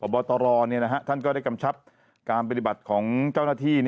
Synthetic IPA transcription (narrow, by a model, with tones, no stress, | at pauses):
pʰɔː˨˩bɔː˧t̪ɔː˧ɾɔː˧ni˥˩na˦˥ɦʰa˦˥t̪ʰa˥˩nkɔː˥˩da˥˩ka˧mt͡ɕʰa˦˥p̚ | kaː˧npa˧i˨˩ba˨˩t̪̚kʰɔː˩˦ŋt͡ɕa˥˩wnaː˥˩t̪ʰiː˥˩ni˥˩